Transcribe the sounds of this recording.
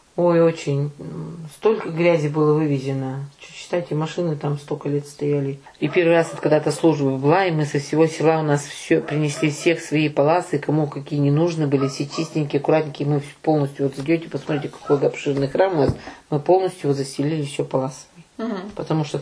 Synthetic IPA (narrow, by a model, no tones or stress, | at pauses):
o̞jot͡ɕɪnʲst̪o̞lʲkəɡɾʲæzʲɪbɨlˠəvɨvʲɪzʲɪnət͡ɕɕːɪ̥t̪ajtʲɪmɐʂɨnɨt̪amst̪okəlʲet̪st̪ɐjælʲɪ | ipʲe̞rvɨrasvokɐɡd̪at̪ɐslˠuʐbəbɨlˠaɪmɨsəfsʲɪvo̞sʲɪlˠaʊnasfsʲopɾʲɪnʲɪsʲlʲifsʲe̞xsvɐipɐlˠasɨkɐmukɐkʲijənʲɪnuʐnɨbɨlʲɪfsʲet͡ɕisʲt̪ʲɪnʲkʲɪɐkʊɾat̪nʲɪkʲɪmɨpo̞lˠnəsʲt̪ʲjʊvo̞t̪zɨdʲotʲɪpəsmɐt̪ɾʲitʲɪkɐ̥kojʲd̪əɐpʂɨrnɨjxɾamʊnasmɨpo̞lˠnəsʲt̪ʲjʊjot̪zəsʲɪlʲilʲɪɕːopɐlˠasə̥vəpət̪ɐmuʂt̪o